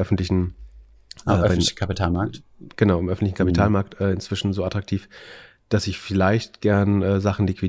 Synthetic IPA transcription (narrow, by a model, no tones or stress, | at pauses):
ʔœfn̩tlɪçn̩ | ʔɛːɛnkʰapitʰaːlmaɐk̚tɡ̥ənaʊɪmʔœfn̩tlɪçn̩kʰapitʰaːlmaɐktʔɛːɪnt͡sv̥ɪʃn̩zoːatʁ̥ak̚tʰiːf | d̥asɪçfɪlaɪçtɡ̥ɛɐnɛːzaχn̩likvi